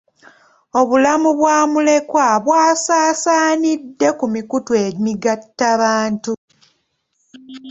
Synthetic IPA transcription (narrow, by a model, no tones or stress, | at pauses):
o̞βulamuβwaːmule̞kwaβwaːsaːsaːnidːe̞kumikutwemiɡatːaβaːntu